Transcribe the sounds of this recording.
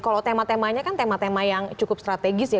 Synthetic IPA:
kalot̪emat̪emaɲakant̪emat̪emajaŋt͡ʃukʊp̚st̪ɾat̪eɡɪsja

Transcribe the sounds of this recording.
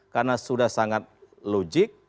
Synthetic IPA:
karnasudahsaŋat̪̚ | lod͡ʒɪk̚

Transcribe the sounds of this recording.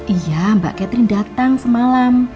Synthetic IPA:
ʔijamba̰ʔkɛt̪ɾindat̪aŋsəmalam

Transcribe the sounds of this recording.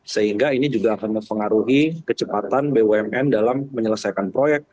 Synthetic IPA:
səɦiŋɡainid͡ʒuɡaːkanməmpəŋaɾuɦikət͡ʃəpat̪anbeweɛmɛndalamːəɲələsajkanpɾojɛk̚t̪̚

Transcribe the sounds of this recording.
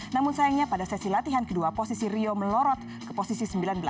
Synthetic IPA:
namʊnsajaŋɲapadasɛsilat̪iɦankəduaposisiɾioməlɔɾɔt̪ | kə̥posisisəmbilanbəla

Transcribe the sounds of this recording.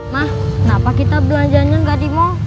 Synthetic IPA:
mah | kənapakit̪abəlaɲd͡ʒaɲaɡadimo

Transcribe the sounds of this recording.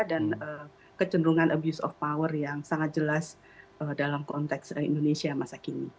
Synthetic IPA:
danə | kət͡ʃənɾuŋanʔəbjusɔ̰fpawərjaŋsaŋat̪̚d͡ʒəlas | ʔədalamkɔnt̪ɛksəindonesiamasakini

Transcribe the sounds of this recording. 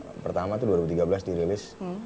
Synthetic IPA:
pərt̪amat̪uduaɾibut̪iɡabəlasdiɾilɪs

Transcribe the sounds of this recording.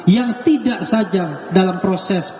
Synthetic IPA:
jaŋt̪idaʔsad͡ʒaŋdalampɾosɛs

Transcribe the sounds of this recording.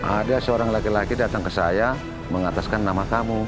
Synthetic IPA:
ʔadasəoɾaŋlakilakidat̪aŋkəsaja | məŋat̪askanːamakamu

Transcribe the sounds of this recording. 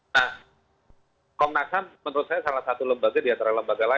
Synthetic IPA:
nah | kɔmnaksanmənəɾʊt̪̚sajasalahsat̪uləmbaɡadiant̪aɾaləmbaɡala

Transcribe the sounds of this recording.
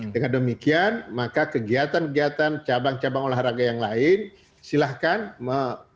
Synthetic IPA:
dəŋandəmikianmakakəɡiat̪ankəɡiat̪ant͡ʃabaŋt͡ʃabaŋolahraɡajaŋlaɪn | silahkanmə

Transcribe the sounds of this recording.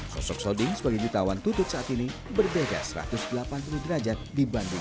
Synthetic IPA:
sɔ̰sɔk̚sodɪŋsəbaɡad͡ʒut̪awant̪ut̪ʊt̪̚saʔat̪inibərdeda̰səɾa̰t̪ʊsdəlapanpuludəɾad͡ʒat̪̚dibandɪŋ

